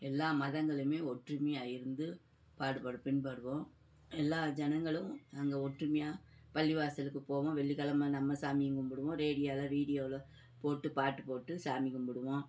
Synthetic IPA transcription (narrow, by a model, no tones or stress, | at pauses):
ɛlːaːmɐðɐŋɡɐɭɯmeːɔʈrɯmɪaːjɪɾɯnd̪ɯ | paːɽɯpɐɽɯpːɪnpɐɽɯʋõː | ɛlːaːd͡ʒɛnɐŋɡɐɭɯ̃ɐŋɡɐɔʈrɯmɪjaːpɐlːɪʋaːsɐlɯkːɯpoːʋõːʋɛɭːɪkɐlɐmːɐnɐmːɐsaːmɪŋɡɯmbɔɽɯʋõːɾeːɽɪjaːlɐʋiːɽɪjoːlɐ | poːʈːɯpaːʈːɯpoːʈːɯsaːmɪkːɯmbɔɽɯʋõː